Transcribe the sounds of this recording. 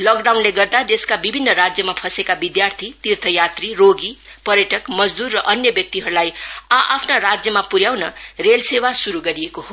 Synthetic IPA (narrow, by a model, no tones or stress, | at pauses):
lʌkɖawnleɡʌrd̪ad̪eskabibʱinːʌɾad͡zjʌmapʰʌsekabid̪jart̪ʰit̪irt̪ʰʌjat̪riroɡipʌɾjʌʈʌkmʌd͡zd̪urːʌʔʌnjʌbjʌk̚t̪iɦʌɾulajaʔa̰pʰnaɾad͡zjʌmapuɾjawnʌrelsewasuɾuɡʌɾijekoɦo